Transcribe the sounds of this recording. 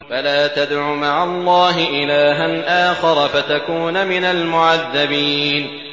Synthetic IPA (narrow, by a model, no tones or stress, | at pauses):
falaːt̪ad̪ʕumaʕalˤːɑːɦɪʔɪlaːɦanʔaːxɑɾˤfat̪akuːnmɪnalmʊʕaðːabiːn